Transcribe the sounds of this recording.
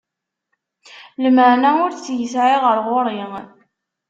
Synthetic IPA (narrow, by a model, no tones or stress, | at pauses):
ləməʕnæʊɾt͡sːjəsʕiʁəɾʁʊɾˤeŋ